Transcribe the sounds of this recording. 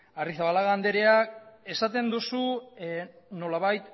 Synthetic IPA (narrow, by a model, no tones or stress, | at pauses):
ariθaβalaɣand̪e̞ɾe̞ake̞sat̪e̞nd̪usu | no̞laβajt̪